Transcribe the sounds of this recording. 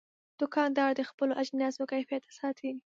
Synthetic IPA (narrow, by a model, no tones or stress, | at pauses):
d̪̥ʊkɑnd̪ɑɽd̪əxpəloʔad͡ʒnjɑsokajfjat̪ḁsɑt̪ʰeɡi